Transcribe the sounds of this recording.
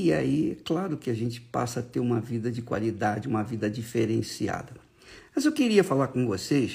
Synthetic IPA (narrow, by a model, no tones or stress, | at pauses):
ia̰iɛ̰klaɾʊkɪaʒẽnt͡ʃɪ̥pa̰sɐat̪eɾũmɐvid̪ɐd͡ʒɪkwa̰lid̪ad͡ʒɪũmɐvid̪ɐd͡ʒifeɾẽsia̰d̪ɐ | mɐzewkiɾiɐfalaɾkõvoses